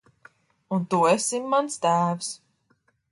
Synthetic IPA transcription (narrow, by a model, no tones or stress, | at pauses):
unt̪uesimːanst̪æːvs